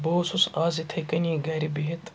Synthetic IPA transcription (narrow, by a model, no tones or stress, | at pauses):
boːsusaːzit̪ʰɐkɐniːɡɐɾibiɦit̪